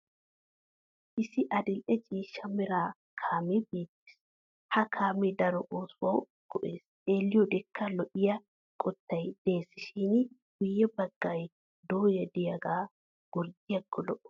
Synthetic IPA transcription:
ʔɪsɪʔɐd̪ɪlʔɛt͡ʃʼiːʃːɐmɪɾaː | kʰaːmibeːt̪ːe̥ːs | hɐkʰaːmid̪ɐɾɔʔoːswɐw | ɡ̥ɔʔeːs | eːlːɪjɔd̪ɛkʰːɐlɔʔɪjɐ | kʼɔt̪ːɐjd̪̥e̞ːsːɪʃinɡ̥ʊjːɛbɐɡ̥ːaːj | d̪oːjɐd̪ɪjɐɡaː | ɡ̥ʊɾd̪ɪjɐkʰːɔlɔʔɔ̥

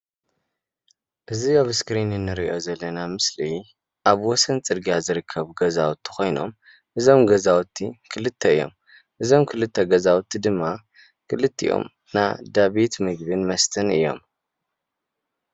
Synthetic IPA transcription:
ʔɨziaβskɾinɨnːɨɾiʔo̞zɐlːɐnamɨsli | ʔaβwɔsɐnt͡sʼɨɾɡijazɨɾɨkʰːɐβɡɐzawt̪ʰːi̥kʰo̞jno̞̰m | ʔɨzo̞mɡɐzawt̪ʰːikʰɨlɨt̪ʰːɐɨjːo̞̰m | ʔɨzo̞mkʰɨlɨt̪ʰːɐɡɐzawt̪ʰːid̪ɨmːa | kʰɨlɨt̪ʰːḭjʔo̞̰m | na̰d̪aβit̪mɨɡ̚bɨnmɐst̪ʰɐnɨ̰jːo̞̰m

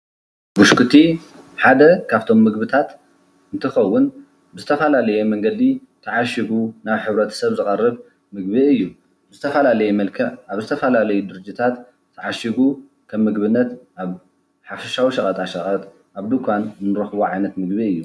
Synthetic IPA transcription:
buʃkʰɨt̪ʰi | ħad̪ɐkʰaβt̪ʰo̞mːɨɡbɨt̪ʰat̪ | ɨnt̪ʰɨxɐwːʊn | bɨzɨt̪ʰɐfɐlalɐjemɐŋɡɐd̪it̪ʰɐʕaʃiɡunaβħɨβɾɐt̪ʰɐ̥sɐβzɨkʼɐrːɨβ | mɨɡbiɨjːu | bɨzɨt̪ʰɐfɐlalɐjɛmɐlkʰɐʕʔaβzɨt̪ʰɐfɐlalɐjud̪ɨɾɨd͡ʒit̪ʰat̪ | t̪ʰːɐʕaʃiɡu | kʰɐmːɨɡβɨnːɐt̪ʔaβ | ħafɐʃawiʃɐkʼɐt̪ʼaʃɐχʼɐt̪ʼ | ʔaβd̪ukʰʷanzɨnɨɾɐxβoʕajnɐt̪mɨɡbiɨjːu

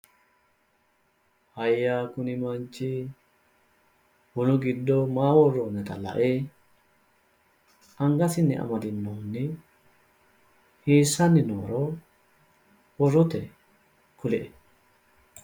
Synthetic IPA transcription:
hɐjːaːkʊnɪmɐnt͡ʃːɪ | wʊlʊɡɪd̪ːɔmaːwɔrːoːnɛt̪ɐlɐ̰ʔeː | ʔɐŋɡɐsɪnːɪʔɐ̰mɐd̪ɪnːoːnːɪ | hiːsːɐnːɪno̰ːɾʔoː | wɔrːɔt̪ɛ | kʊlɛʔɛ

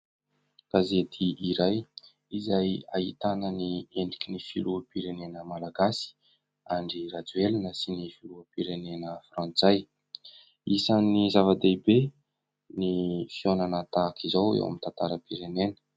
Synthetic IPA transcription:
ɡ̥azet̪ʰiʔiɾaj | izaja̰it̪anənieɳɖ͡ʐikinifiluəpiɾenenəmalaɡasi̥ | aɳɖ͡ʐirad͡zuelinəsinifiluəpiɾenenəfrãnt͡saj | isanizavad̪ebe | nifionanət̪akʰizawḛwa̰mint̪ant̪aɾəpiɾenenə̥

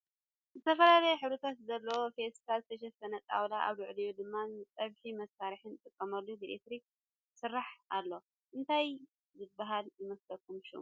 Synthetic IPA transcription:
zɨt̪ʰɐfɐlalɐjɛħɨβɾɨt̪ʰat̪zɐlːɐwofest̪ʰalzɨt̪ʰɐʃ̬ɐfɐnɐt̪ʼa̰wlaʔa̰βlʊʕlijud̪ɨmːat͡sʼɐβħimɐsːaɾiħɨnt̪ʼɨkʼːɐmɐlːubilet̪ɾik̚ | sɨrːaħalːo | ʔɨnt̪ʰaj | zɨbːaɦalzɨmɐst̪ɐkʰumʃṵ

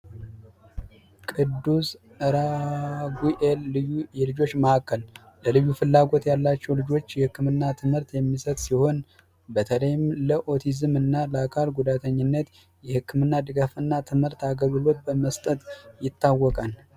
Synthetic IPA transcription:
kʼɨd̪ːus | ɨɾaɡuʔelːɨjujɛlɨd͡ʒo̞t͡ʃːməhakʰːəl | ləlɨjːufɨlːaɡo̞t̪jalːat͡ʃːɛwlɨd͡ʒo̞t͡ʃːjɛhɨkːɨmɨnːat̪ʰɨmhɨɾt̪jɛmːisət̪ʼsiho̞n | bət̪ʰələjɪmləʔo̞t̪ʰizɨmɨnːaləakʰalɡud̪at̪ʰəɲːɪnːət̪ | jɛhɨkːɨmɨnːad̪ɨɡafɨnːat̪ʰɨmhɨɾt̪aɡəβɨlo̞t̪̚bəməst̪ʼət̪jɪt̪ːawːɔkʼan

